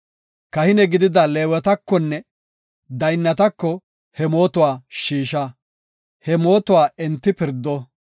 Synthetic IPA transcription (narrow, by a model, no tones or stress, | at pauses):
kɐhɪnɛɡɪd̪ɪd̪ɐleːwɛt̪ɐkːɔnːɛ | d̪ɐjnːɐt̪ɐkːɔ | hɛmo̞ːt̪ʊwaːʃiːʃɐ | hɛmo̞ːt̪ʊwaːɛnt̪ːɪpɪɾd̪ːɔ